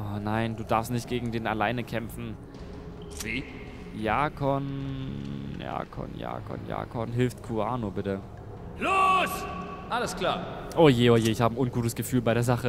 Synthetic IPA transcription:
ʔɔːnaɪnduːdaɐfstnɪçt̚ɡ̥eːɡŋ̩deːna̰laɪnəkʰɛmfn̩ | viː | jaːkʰɔn | ja̰ːkʰɔ̰nja̰ːkʰɔ̰nja̰ːkʰɔnɦɪlftkʰuaːnobɪtə | loːs | ʔaləskl̥aː | ʔoːjeːojeːɪçhaːbəəʔʊnɡuːtəsɡ̥əfyːlbaɪɾeːɐzaχə

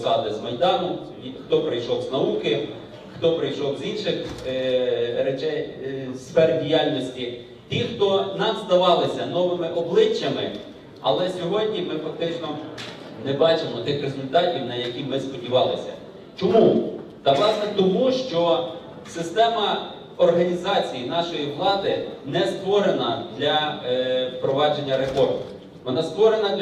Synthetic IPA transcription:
zɑt̪ɪzmɐjd̪ɑnʊ | xt̪ɔpɾɪjʃɔwznɐukɪ | xt̪ɔpɾɪjʃɔwzinʃɪx | ɾet͡ʃɛjsfɛrdʲijɑlʲnɔsʲtʲi | t̪ʲixt̪ɔnɑmzd̪ɐʋɑlˠɪsʲɐnɔʋɪmɪʔɔblˠɪt͡ʃːɐmɪ | ɐ̰lˠɛsʲɔɦɔdʲnʲimɪfɐk̚t̪ɪt͡ʃnɔnɛbɑt͡ʃɪmɔt̪ɪxrezʊlʲt̪ɑtʲiwnɐjɐkʲimɪspɔdʲiʋɑlˠɪsʲɐ̰ | t͡ʃɔmut̪ɐʋlˠɑsnɛt̪ɔmuʃt͡ʃɔ | sɪst̪ɛmɐ | ɔrɦɐnʲizɑt͡sʲijinɑʃɔjiʋlˠɑd̪ɪnɛst̪ʋɔɾenɐd̪lʲɐ | pɾɔʋɑd͡ʒenʲːɐɾefɔrmʊ | ʋɔnɑst̪ʋɔɾe̞nɐ

